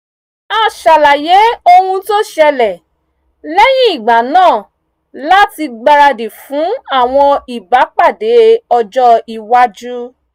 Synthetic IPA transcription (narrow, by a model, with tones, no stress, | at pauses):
a˦˨ʃa˨la˨je˨˦o˧hũ˧to˦ʃɛ˧lɛ˨ | lɛ˦j̃ĩ˦i˦˨ɡ͡ba˨˦nãː˦˨ | la˦ti˧ɡ͡ba˧ɾa˧de˨fũ˨˦a˦˨w̃ɔ̃˧i˨ba˨˦k͡pa˦˨de˨˦ɔ˧d͡ʒɔ˦i˧wa˦d͡ʒu˦